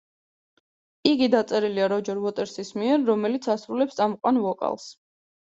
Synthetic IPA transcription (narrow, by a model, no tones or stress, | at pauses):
iɡid̪at̪sʼɛɾiliaɾɔd͡ʒɔɾvɔt̪ʼɛɾsismiɛɾːɔmɛlit̪sʰasɾulɛpst̪ʼamqʼwanvɔkʼa̰lˠs